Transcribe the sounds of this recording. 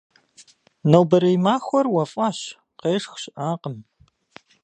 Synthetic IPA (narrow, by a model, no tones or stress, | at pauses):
nɐwbɐɾɐjmaːxʷɔrwɐfʼɑːɕ | qeːʂxɕɪʔaːqəm